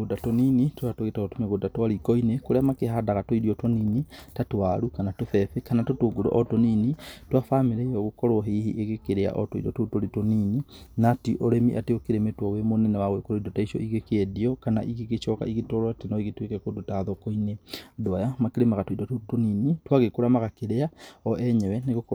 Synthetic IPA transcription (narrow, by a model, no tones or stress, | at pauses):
ɣodatoninitoatoɣetaɔtomeɣodatwaɾikɔinekoɾeamakeɦadaɣatwoidiɔtɔninitatwaɾukanatofɛfekanatotoɡoɾɔ̰ʔɔtoninitwafameɾeɔɣokɔɾɔɦehiʔeɣekeɾea̰ʔɔ̰toḭdɔtotoɾetonininatiʔoɾemiʔa̰teokeɾemetwɔwemonɛnɛwaɣwekoɾoidotaiʃɔ̰ʔiɣekeɛdiɔkana̰ʔiɣeɣet͡ʃɔka̰iɣetɔɾatenɔiɣetwekɛkodotaðɔkoinedwajamakeɾemaɣatwoidɔtotoninitwaɣekoɾamaɣakeɾeaɔʔɛɲɛwɛneɣok